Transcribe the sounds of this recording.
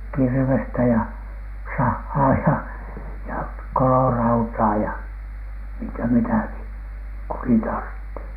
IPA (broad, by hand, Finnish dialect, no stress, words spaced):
kirʋestæ jɑ sɑhːɑː jɑ jɑ kolorɑutɑː jɑ miŋkæ mitæki kukin tɑrtːi